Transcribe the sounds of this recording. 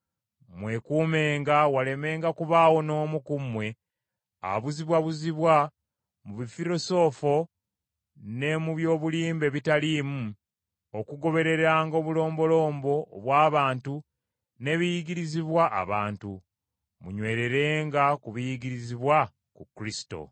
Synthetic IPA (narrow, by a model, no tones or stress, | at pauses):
mwe̞kuːme̞ːŋɡawale̞me̞ːŋɡakuβaːwo̞no̞ːmukumwe̞ | a̰βuziβwaβuziβwa | muβifiɾo̞so̞ːfo̞ | ne̞muβjo̞ːβuliːmbe̞βitaliːmu | okuɡo̞βe̞ɾe̞ɾɾaːŋɡo̞ːβulo̞ːmbo̞lo̞ːmbo̞ːβwaːβaːntu | ne̞βijiɡiɾiziβwaʔːβa̰ːntu | muɲwe̞ːɾe̞ɾe̞ːŋɡakuβijiɡiɾiziβwa | kukɾisi̥to̞̰